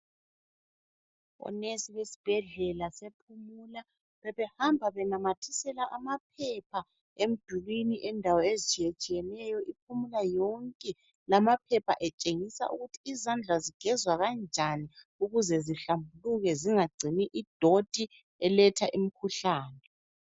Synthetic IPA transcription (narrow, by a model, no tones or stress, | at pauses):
ɔ̰nesiwesi̥b̥ʱɛɮɛlasepʰumula | βɛβɛhambʱaβɛnamatʰisɛlaʔamap̚ʰɛpʰa | em̩d̥ʱulwiniʔɛndʱawɔezit͡ʃʼijet͡ʃʼijɛnɛjɔʔip̚ʰumulajɔŋkʼɛ | lamapʰɛpʰa̰ʔɛt͡ʃʼeŋisa̰ʔuɣutʰiːzand͡ɮʱaziɡ̥ʱɛzwaɣand͡ʒʱani | uɣuzɛziɬambʱuluɣɛziŋaɡ͡ǀʱiniʔid̥ʱod̥ʱi | ɛlɛtʰaʔimikʰuɬaːnɛ